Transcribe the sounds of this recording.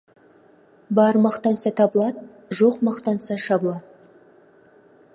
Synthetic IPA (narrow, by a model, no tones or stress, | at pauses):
bɑɾmɑqt̪ɑnsɑt̪ʰɑbəlˠɑd̪ | ʒo̞qmɑqt̪ɑnsɑʃɑbəlˠɑd̪̚